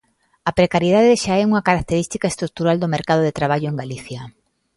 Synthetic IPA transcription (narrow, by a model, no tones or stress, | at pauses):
ɐpɾekaɾjið̞aðeʃaɛuŋɐkaɾak̚t̪eɾist̪ikaest̪ɾuk̚t̪uɾald̪omeɾkaðoðet̪ɾaβ̞aʎoeŋɡaliθja